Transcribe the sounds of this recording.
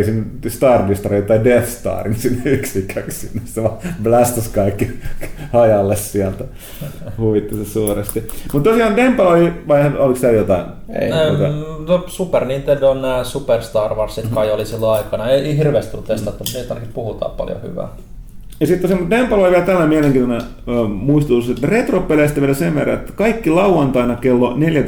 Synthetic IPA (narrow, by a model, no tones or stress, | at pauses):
sinːst̪ɑːrdist̪ɑrit̪ːɑidefst̪ɑ̰ːrinsinːyksikːækssinːesseʋɑblæst̪æskɑikːi | ɑjɑlːessiælt̪æ | huʋit̪ːisesuːrest̪imut̪t̪osiɑːndempɑloliʋɑiheolikst̪æːjot̪ɑin | ḛok̪ɑnosuperniːnt̪endonnæːsuperst̪ɑːrʋɑrssit̪kɑiolisilːoɑikɑnɑeiihirʋeːˑst̪ulːut̪est̪ɑt̪ːuniːt̪ɑinɑkipuhut̪ɑ̰ːppɑ̰ljo̰hy̰ʋæ̰ː | jɑsit̪ːosemːt̪d̪empːæloliʋiælt̪ælːæmiæleŋkiːnonæː | muist̪ut̪ːuset̪ːæret̪ropːeleːst̪æʋiælæseʋʋerːɑ̰et̪ːæ̥kɑikːilɑuʋɑnt̪ɑinɑkelːoneljæ